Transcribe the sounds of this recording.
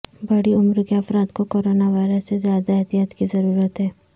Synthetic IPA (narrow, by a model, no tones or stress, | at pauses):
bɐɽiʊmɾkeɐfɾaːt̪kokoːɾoːnaʋaːɪɾəsːezjaːd̪aɛɦt̪ijat̪kizɐɾuːɾət̪ɦɛː